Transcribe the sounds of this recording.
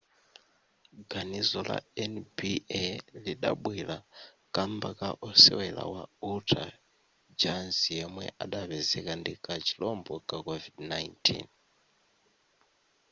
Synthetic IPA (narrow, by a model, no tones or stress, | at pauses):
ɡanizɔlʔa̰ɛnbiliɗaɓwila | kʼambakaʔɔsɛwɛla̰wautʰa | d͡ʒansijɛmwɛ̰ʔaɗaβɛzɛkandikat͡ʃʰi̥lɔmbɔkakovidnajntʰḭn